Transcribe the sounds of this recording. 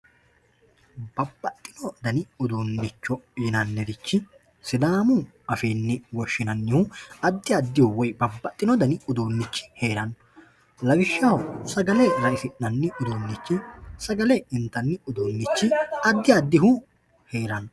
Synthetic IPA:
bɐbːɐt̪ʼːɪnɔd̪ɐnɪʊd̪oːnːɪt͡ʃːɔiːnɐnːɛd̪ɪt͡ʃːɪ | sɪd̪aːmʊ | ɐfeːnːɛwɔʃːɪnɐnːɪhʊɐd̪ːɪɐd̪ːɪhʊwɔjbɐbːɐt̪ʼːɪnɔd̪ɐnɪʊd̪oːnːɪt͡ʃːɪ̥heːɾɐn | lɐɡɪʃːɐwsɐɡɐlɛɾɐɪsɪʔnɐnːɪʔʊd̪oːnːɪt͡ʃːɪsɐɡɐlɛɪnt̪ːɐnːɪʊd̪oːnːɪt͡ʃːɪɐd̪ːɪɐd̪ːɪɦʊ | heːɾɐnːɔ

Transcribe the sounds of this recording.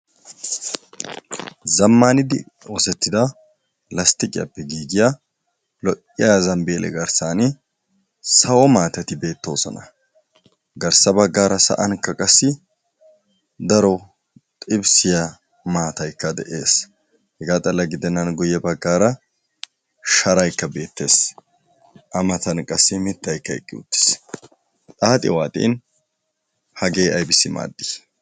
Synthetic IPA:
zɐmːaːnɪd̪ɪ | ɔsɛt̪ːɪd̪ɐ | lɐst̪ɪkʼɪjɐ̰pːɛɡiːɡɪja | lɔʔʼɪjazɐmbeːlʔɛ̰ɡɐɾsaːnɪ | sɐwɔmaːt̪ɐt̪ɪbe̞ːt̪ːo̞ːsɔ̰nɐ | ɡɐɾsɐbɐɡːaːɾɐsɐ̰ʔɐnkːɐkʼɐsːɪ | d̪ɐɾɔ | t̪ʼɪbsɪjɐ | maːt̪ɐjkːɐd̪ɛʔeːs | hɛɡaːt̪ʼɐlːɐɡɪd̪ɛnːɐnɡʊjːɛbɐɡːaːɾɐ | ʃɐɾɐjkːɐbe̞ːt̪ːe̞̰ːs | ʔɐmɐt̪ɐnkʼɐsːɪmɪt̪ːɐjkːɐɛ̰kʼːɪʊ̰t̪ːɪ̥s | t̪ʼaːt̪ʼɪ̰waːt̪ʼḭːn | hɐɡe̞ːɐjbɪsɪma̰ːd̪ːɪ

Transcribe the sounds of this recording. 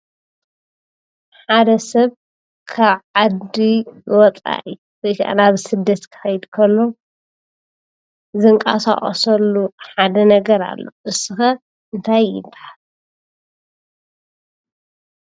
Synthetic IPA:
ħad̪ɐsɐβ | kʰaβʕad̪iwɔt͡sʼa̰ʔɨjuwɔjkʰaʔa̰naβsɨd̪ːɐt̪kʰɨ̥xɐjd̪kʰɐlːo̞ | zɨŋkʼa̰sa̰χʼɐsɐlːuħad̪ɐnɐɡɐɾa̰lːo̰ʔɨsɨxɐ | ʔɨnt̪ʰajːɪ̰baħal

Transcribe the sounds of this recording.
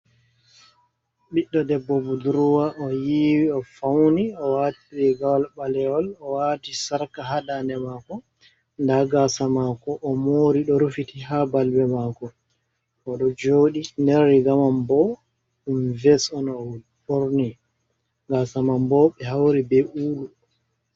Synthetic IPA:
ɓiɗːɔdɛbːɔbuduɾuwaʔɔjiwiɔfawniɔwatiɾɛɡalɓalɛɔlɔwatisaɾkaɦadanɛmakɔ | ndaɡasamakɔʔɔmoɾiɗɔɾufitiɦabalbɛmaːkɔ | ʔɔɗɔd͡ʒoːɗinɛɾːiɡamambɔ | invɛsɔnɔwl | ɓɔɾni | ɡasamambɔɓɛɦawɾibɛuːlu

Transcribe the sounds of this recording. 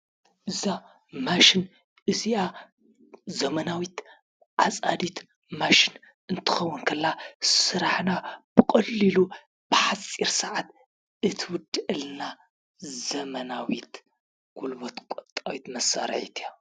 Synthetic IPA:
ʔɨza | maʃin | ʔɨziʔa | zɐmɐnawit̪ | ʕasʼad̪it̪ | maʃin | ɨnt̪ʰɨ̥xɐwːʊnkʰɐlːasɨɾaħnab̥ɨkʼɐlːilu | b̥ɨħasʼiɾsɨʕat̪ | ʔɨt̪ʰwʊd̪ɨʔɨlna | zɐmɐnawit̪ | ɡ̥ulbot̪kʷʼot̪ʼːawit̪mɐsːa̰ɾ̰ʕḭt̪ʰa

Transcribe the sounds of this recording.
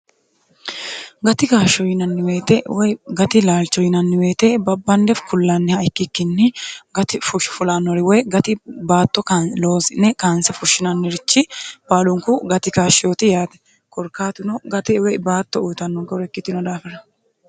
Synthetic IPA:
ɡɐt̪ɪkaːʃɔjɪnɐnːɪweːt̪ɛwɡɐt̪ɪlaːlt͡ʃːɔjɪnɐnːɪwe̞ːt̪ɛbɐbːɐnd̪ɛfkʰʊlːanːɪhɐjkːɪkːɪnːɪɡɐt̪ɪfʊʃfʊlanːɔɾɪwɔjɡɐt̪ɪbaːt̪ːɔkaloːsɪnːɛkaːnsɛfʊʃːɪnɐnːɪɾɪt͡ʃːɪb̥aːlʊŋkʊɡɐt̪ɪkaːʃɪoːt̪ɪjaːt̪ɛ̥ | kɔɾkaːt̪ʊnɔɡɐt̪ɪwɛbaːt̪ːɔuːt̪ɐnːɔŋkɛɾɛkːɪt̪ːɪnɔd̪aːfɛɾɐ

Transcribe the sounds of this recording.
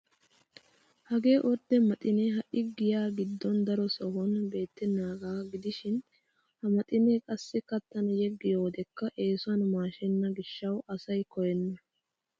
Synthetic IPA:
hɐɡe̞ːʔɔɾd̪ɛmɐt̪ʼɪneɦɐʔɪɡɪjaːɡɪd̪ːɔnd̪ɐɾɔsɔhɔnbe̞ːt̪ːɛnːaːɡaːɡɪd̪ɪʃɪn | hɐmɐt̪ʼɪnekʼɐsːɪkɐt̪ːɐnɐjɛɡːɪjoːd̪ɛkːɐʔe̞ːsʊɐnmaːʃɛnːɐɡɪʃːɐwɐsɐjkɔjɛnːɐ

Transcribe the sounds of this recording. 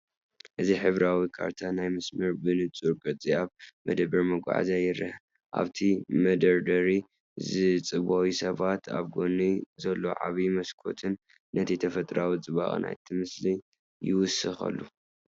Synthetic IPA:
ʔɨziħɨβɾawikʰa̰ɾt̪ʰanajmɐsmɨɾbɨnɨt͡sʼuɾɡʼɐt͡sʼiaβmɐd̪ɐbɐɾmɐɡʷʼa̰ʕa̰zajɪɾɨh | ʔa̰βt̪ʰimɐd̪ɐɾd̪ɐɾi | zɨt͡sʼɨβowisɐβat̪ʰa̰βɡo̞nizɐlːo̞ʕa̰βimɐskʰo̞̰t̪ʰɨnː | ɐt̪ʰit̪ʰɐfɐt̪ʼɾawit͡sʼɨβa̰ɣ̰ʼna̰jt̪ʰɨmɨsli | jɪwʊsɨxɐ̰lːu

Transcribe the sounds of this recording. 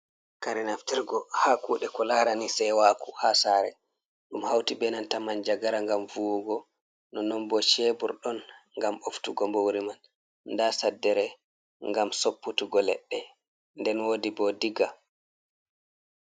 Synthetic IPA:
kaɾɛnaftiɾɡɔhakuːɗɛkɔlaːɾanisɛjwakuhasaːɾɛ̰ | ɗumhawtibɛnantamand͡ʒaɡaɾaŋɡamvuwɡɔ | nɔnɔmbɔt͡ʃɛbṵɾɗɔnŋɡamoftuɡɔmbowɾiman | nːdasadːɛɾɛ | ŋɡamsopːutuɡɔlɛ̰ɗːɛ | ndɛnwoːdibɔdiɡa

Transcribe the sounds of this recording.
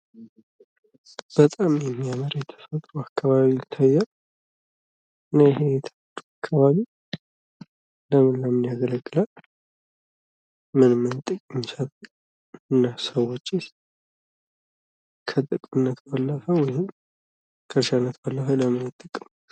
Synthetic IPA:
b̥ət̪ʼamjɛmːiaməɾjɛt̪ʰə̥fət̪ʼɾuakʰːaβaβit̪ʰajːa | ɨnːaɪhejɛt̪ʰəət̪ːuakʰːaβaβi | ləmɨnləmɨnjaɡələɡʼːɨlal | mɨnmɨnt̪ʼɨkʼɨmːisət̪ʼɨ | ɨnːasəwot͡ʃːɪs | kʰət̪ʼɨkʼmɨnːət̪balːəfəwɔjhɪm | kʰəʃanːət̪balːəfələmɨnat̪ʼːəkʼːɨm

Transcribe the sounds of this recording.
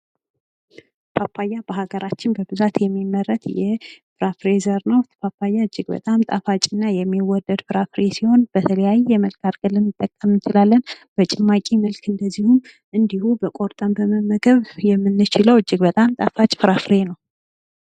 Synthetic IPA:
pʰapʰːajːabəɦaɡəɾat͡ʃːɪnbəbɨzat̪jɛmːimːəɾːət̪jɛfɨɾafɾezəɾnəwt̪ʰpapʰːajːaɨd͡ʒːɪɡbə̰t̪ʼamt̪ʼafat͡ʃʼɪnːajɛmːiwɔd̪ːəd̪fɨɾafɾesiho̞nbət̪ʰələjajɛjɛməlkʰaɾɡəlːɨnːɨt̪ʼːəkʼːəmɨnt͡ʃɪlalːən | b̥ət͡ʃʼɪmːakʼiməlkʰɨnd̪əzːihum | ʔɨnd̪ihubəkʼoɾt̪ʼəmbəməməɡəβjɛmːɨnːɨt͡ʃɪləwɨd͡ʒːɪɡbət̪ʼamt̪ʼa̰fat͡ʃʼfɨɾafɾenəw

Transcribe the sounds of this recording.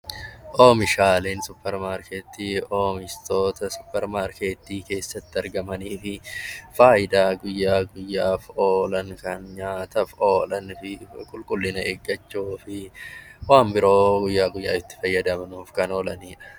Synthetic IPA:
ʔoːmɪʃaːleːnsʊpːɛɾmaːɾkeːt̪ːiːoːmɪst̪o̞ːt̪ɐsʊ̥pːɛɾmaːɾkeːt̪ːiːke̞ːsːɐt̪ːɪɐɾɡɐmɐniːfɪfaːɪd̪aːɡʊjːaːɡʊjːaːfoːlɐŋkɐnɲaːt̪ɐfoːlɐnfɪkʼʊlkʼʊlːɪnɐeɡːɐt͡ʃːuːfɪwaːmbɪɾo̞ːɡʊjːaːɡʊjːaːɪt̪ːɪ̥fɐjːɐd̪ɐmnuːfkɐno̞ːlɐniːᶑɐ̥

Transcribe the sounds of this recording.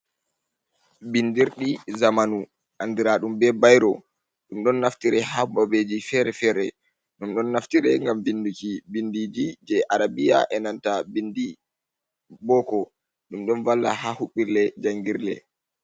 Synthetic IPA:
bindiɾɗizamanu | ʔandiɾaɗumbɛbajɾɔ | ɗumɗɔnːaftiɾɛhababed͡ʒifɛɾɛfɛɾɛ | ɗumɗɔnːaftiɾɛŋɡamvindukibindid͡ʒid͡ʒɛʔaɾabija̰ʔɛnantabindi | bɔkɔ | ɗumɗɔnvalːa̰hahuɓːiɾlɛd͡ʒaŋɡiɾlɛ̰

